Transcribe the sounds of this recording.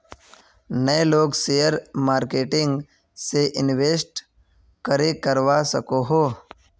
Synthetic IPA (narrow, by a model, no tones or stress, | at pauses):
nəeloːɡsejəɾmaːɾkeːʈɪ̃ŋɡ | seʔɪnʋeːsʈ | kəɾekəɾʋasəkoɦoː